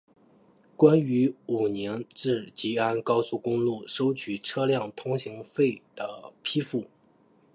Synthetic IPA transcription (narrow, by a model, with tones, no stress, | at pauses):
kwa˥ny˧˥u˨˩njɛ˧˥nʈ͡ʂɻ̩˥˩t͡ɕi˧˥a˥nkɑ˥ʊsu˥˩kʊ˥ŋlu˥˩ʂo˥ʊt͡ɕʰy˨˩ʈ͡ʂʰɤ˥ljɑ˥˩ŋt̪ʰʊ˥ŋɕi˧˥ŋfe˥˩ɪd̪̥ə˩pʰi˥fu˥˩